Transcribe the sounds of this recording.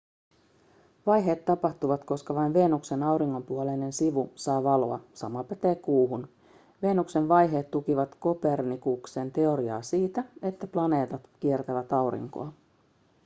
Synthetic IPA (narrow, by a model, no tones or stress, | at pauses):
ʋɑjɦe̞ːt̪ːɑpɑht̪uʋɑt̪ko̞skɑʋɑjnʋe̞ːnukse̞nɑwɾiŋːo̞mpuolenensiʋusɑːʋɑloɑ̰sɑ̰mɑpæt̪eːkuːɦun | ʋe̞ːnukse̞nʋɑjɦe̞ːt̪ːukiʋɑt̪ko̞pe̞rnikukse̞nt̪e̞o̞ɾiɑ̰ːsiːt̪æe̞t̪ːæplɑne̞ːt̪ɑt̪k̟ie̞rt̪æʋæt̪ɑwɾḭŋko̞̰ɑ